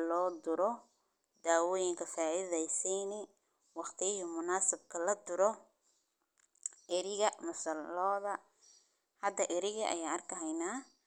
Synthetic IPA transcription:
lɔːd̪ʊɾɔ | d̪aːwɔːjɪŋkʰɐfaːʔiðɛjsiːnɪ | wɑχt̪ʰɪjɪɦʊmʊnaːsɪb̚kʰɐlɐd̪ʊɾɔ | ʔɪɾɪɣɐmʊsɐlɔːðɐ | hɐd̪ɐʔɪɾɪɣɐʔɐ̰jaːɐrkʰɐɦɛjnaː

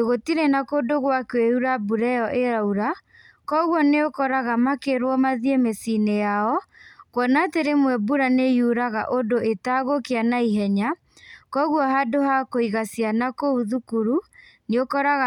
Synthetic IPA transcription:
eɣotiɾɛnakoːdoɣwakweuɾabuɾɛjɔʔeɾauɾa | kɔɣwɔneokɔɾaɣamakeɾwɔmaðjemesinejaɔkwɔnateɾemwɛbuɾanejuɾaɣa̰ʔodoetaɣokeanaiɦɛɲa | kɔɣwɔɦadohakoiɣasjanakouðukuɾu | neokɔɾaɣa

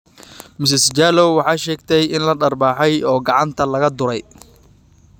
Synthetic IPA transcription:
mɪs̬ɪsd͡ʒaːlɔwwɑħɑːʃɛːɡt̪ʰɛjɪnlɐɖɐrbaːħɛjɔːɡɑʕɑnt̪ʰɐlɐɣɐd̪ʊɾɛj

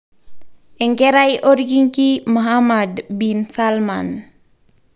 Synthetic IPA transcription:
ʔɛŋɡɛɾajʔoɾɡiŋkimaɦamadbinsalman

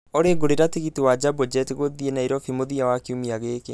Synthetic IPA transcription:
oɾeɡoɾeɾateɣitiwad͡ʒabod͡ʒɛteɣoðienaiɾɔfimoðiawakumiaɣeke

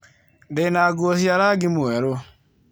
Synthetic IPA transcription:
ndenaɡuɔsjaɾaɡimoɛɾo

